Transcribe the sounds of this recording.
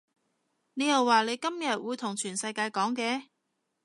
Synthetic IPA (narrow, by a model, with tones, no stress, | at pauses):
ne˨˧jɐ˨˩wːaː˨le˨˧jkɐ˥mjɐ˨t̚wuː˨˧jt̪ʰʊ˨˩ŋt͡ʃʰyː˨˩nsɐ˧jkaː˧jkɔː˨˥ŋkɛː˨˧